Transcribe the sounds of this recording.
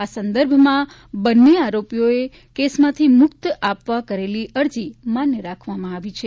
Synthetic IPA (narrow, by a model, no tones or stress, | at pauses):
asənd̪əɾbʱmã | bənːeaɾopijoe | kesmãt̪ʰimʊkt̪apʋakəɾeliəɾd͡ʒimanjəɾakʰʋamãaʋit͡ʃʰe